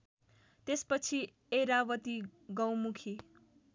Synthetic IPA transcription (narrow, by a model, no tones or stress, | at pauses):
t̪espʌt͡sʰi | eɾawʌt̪iɡʌwmukʰi